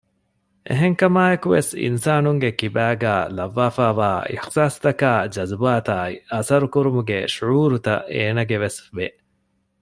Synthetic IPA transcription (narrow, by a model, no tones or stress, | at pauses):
ʔḛɦeŋkɐmaːekuʋḛsḭnsaːnuŋɡekibæːɡæːlɐʋːaːfaːʋaːḭħsaːst̪ɐkæːd͡ʒɐzbaːt̪aːiɐsɐɾukuɾumuɡeʃuʕuːɾut̪ɐ̰ʔeːnɐɡeʋesbe